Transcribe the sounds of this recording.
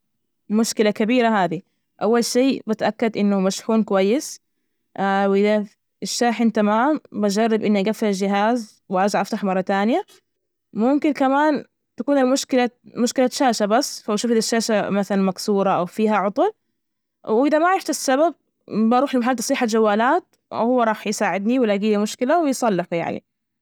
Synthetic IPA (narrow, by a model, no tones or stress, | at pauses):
mʊʃkɪlakabiːɾaɦaːði | ʔawːalʃiːbɪt̪ʔakːad̪ʔɪnːʊmaʃħuːnkʊwajːɪs | awʔɪða | ɪʃːaːħɪnt̪amaːmbad͡ʒɑrˤːɪbʔɪnːʔaɡafːad͡ʒɪɦaːz | wʔɑːd͡ʒaʕʔaft̪aħmɑrˤːɑt̪aːnja | mʊmkɪnkamaːn | t̪akuːnalmʊʃkɪlamʊʃkɪlaʃaːʃabasːfabaʃuːfd̪aʃːaːʃamaθalanmaksuːɾˤɑʔawfiːɦaʕʊt̪ˤʊl | wʔɪðamaʕɑɾɪft̪asːabab̚ | baʔɾuːħlɪmaħalːt̪ɑsˤiːħad͡ʒawːaːlaːt̪̚ | hʊwːaɾˤɑːħjsaːʕɪd̪niwɪlaɡiːlimʊʃkɪlawɪjsˤɑlːɪħuja̰ʕnḭ